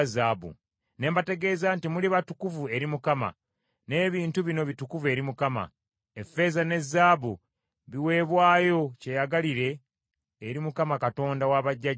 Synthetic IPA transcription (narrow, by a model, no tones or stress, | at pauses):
zaːβṵ | ne̞ːmbate̞ɡe̞ːzaːntimuliβatukuvue̞ɾimukama̰ | ne̞ːβiːntuβino̞βitukuve̞ːɾimukama̰ | e̞fːe̞ːzane̞zːaːβu | βiwe̞ːβwaːjo̞ce̞jaɡaliɾe̞ː | ɾimukamakato̞ːndawaβaɟːa